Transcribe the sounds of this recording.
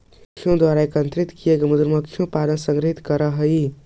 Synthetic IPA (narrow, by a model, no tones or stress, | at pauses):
kʰijõd̪waɾaekənt̪ɾit̪kijekemud̪ɾməkʰːijõpaɾənsə̃ŋɡɾɦit̪kəɾəɦəi